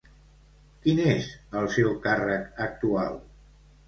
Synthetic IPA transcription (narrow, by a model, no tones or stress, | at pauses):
kinezəlˠsewkarəkək̚t̪ua̰lˠ